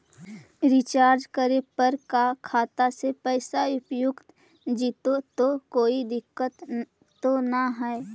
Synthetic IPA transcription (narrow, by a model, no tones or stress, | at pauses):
ɾɪt͡ʃaːɾd͡ʒkəɾepəɾkakʰaːt̪asepɛːsaʊpjʊkt̪ | d͡ʒit̪ot̪okoːid̪ɪkːət̪ː | onaɦɛe